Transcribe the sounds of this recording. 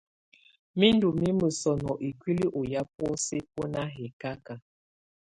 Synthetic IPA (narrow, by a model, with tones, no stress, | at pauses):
mi˦ndu˨mi˦mə˨sɔ˨nɔ˨ʔi˨kʷi˦li˦ʔo˨ja˦p̚ɔ˦se˦p̚o˦na˦ɦɛ˨ka˦ka˨